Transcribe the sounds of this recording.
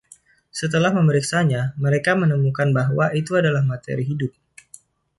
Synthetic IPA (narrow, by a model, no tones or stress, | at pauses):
sət̪̬əlahməməɾiksaɲaməɾekamənəmukanbaɦwaʔit̪uadalahmat̪ḛɾiɦidʊp̚